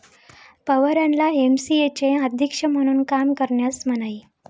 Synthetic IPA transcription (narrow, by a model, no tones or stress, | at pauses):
pəʋəɾanlaemsiet͡ɕeəd̪ʱikʂəm̤əɽ̃uːnkamkəɾɳjasm̤ənai